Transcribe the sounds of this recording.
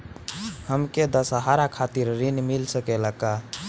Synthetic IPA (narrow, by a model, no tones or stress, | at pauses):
həmked̪əsɦaɾakʰat̪iɾɾinmilsəkeləka